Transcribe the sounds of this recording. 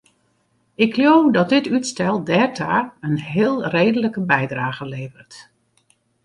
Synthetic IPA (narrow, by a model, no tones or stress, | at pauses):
ɪkʰljowdɔt̚dɪtytstɛlˠdɛrtʰaːənɦɪːlˠreːdələkəbɛjdraːɣəleːvərt